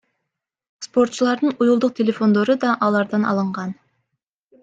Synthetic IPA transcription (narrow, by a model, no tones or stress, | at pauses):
spo̞rt̪t͡ʃulˠɑɾd̪ɯnujulˠd̪uq̚tʲelʲe̞fo̞nd̪o̞ɾud̪ɑʔɑlˠɑɾd̪ɑnɑ̰lˠɯɴʁɑn